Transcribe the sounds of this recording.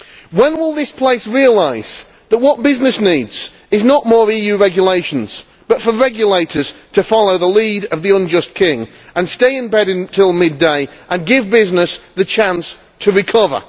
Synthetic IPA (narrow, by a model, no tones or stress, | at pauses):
wə̃nwɪlˠðɪspʰl̥eɪsɹiəlaɪz̥ | ðəʔ̚wɒt̚b̥ɪznɨsniːdz̥ | ɪznəʔmɔːɹijʉɹɛɡjəleɪʃə̃n̩z̥ | b̥ʌtfəɹɛɡjəleɪtə˞z̥tʰəfɑlˠoʊðəliːɾəvðiʌ̃nd͡ʒʌskʰɪ̃ŋ | ʔə̃nsteɪɪ̃nbɛɾɨ̃ntʰɪlˠmɪdeɪʔə̃nɡɪvbɪznɪsðɨt͡ʃʰãns | tʰəɹɨkʰʌvə̰˞